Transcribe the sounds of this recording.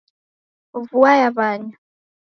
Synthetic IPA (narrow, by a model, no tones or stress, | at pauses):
vuwajaβaːɲa